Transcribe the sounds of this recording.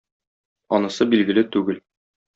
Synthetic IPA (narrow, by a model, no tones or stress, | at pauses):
ɒnɤ̆sɤbilɡɘ̆lɘt̪ʉɡɘl